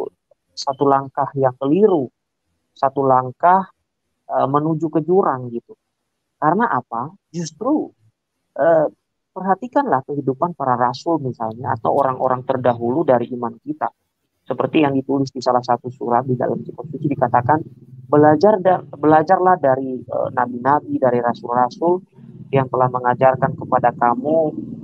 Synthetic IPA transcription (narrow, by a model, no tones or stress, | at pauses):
sat̪ulaŋkahjaŋkəliɾu | sat̪ulaŋkah | əmənud͡ʒukəd͡ʒuɾaŋɡit̪u | kaɾənaʔapa | d͡ʒust̪ɾu | ʔəː | pərɦat̪ikanlahkəɦidupanpaɾaɾasʊlmisalɲaa̰t̪a̰woɾaŋʔo̰ɾaŋt̪ərdaɦuludaɾiʔimankit̪a̰ | səpərt̪ijaŋdit̪ulɪsdisalahsat̪usuɾat̪̚dida̰lamsikɔpsut͡ʃidikat̪akanbəlad͡ʒardabəlad͡ʒarlahdaɾiə̰nabinabidaɾiɾasʊlrasʊl | jaŋt̪əlahməŋad͡ʒarkankəpadakamu